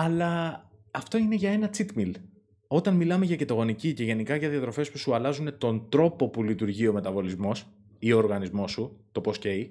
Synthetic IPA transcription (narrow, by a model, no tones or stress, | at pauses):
ɐlɐː | ft̪o̞ine̞ʝɐe̞nɐt͡sit̪mil | o̞t̪ɐnmilɐmeʝɐce̞t̪ɐɣo̞nicice̞ʝe̞nikɐʝɐðiɐt̪ɾo̞fe̞spusuɐlɐzune̞t̪o̞nd̪ɾo̞po̞pulit̪uɾʝio̞me̞t̪ɐvo̞lizmo̞s | ioɾɣɐnizmo̞sut̪o̞po̞sce̞i